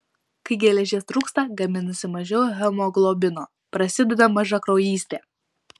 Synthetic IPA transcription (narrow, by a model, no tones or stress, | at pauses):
kɐɪɡʲɛlʲɛʒʲeːst̪ɾuːkst̪ɐɡɐmʲɪnɐsʲɪmɐʒʲɛʊjɦʲɛmoɡlˠoːbʲɪnoː | pɾɐsʲɪd̪ʲɛd̪ɐmɐʒɐkɾɔʊjiːsʲt̪ʲeː